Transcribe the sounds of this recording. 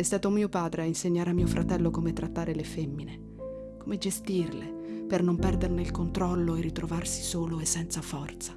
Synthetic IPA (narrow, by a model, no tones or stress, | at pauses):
est̪aːt̪omiːopaːd̪ɾeainseɲːaːɾeamːiːofɾʔat̪ɛlːokomet̪ɾʔat̪ːaːɾelefemːine | komed͡ʒest̪irlepernompɛrd̪erneilkont̪ɾɔlːoerit̪ɾovarsi̥soːloesːɛnt̪safɔrt̪sa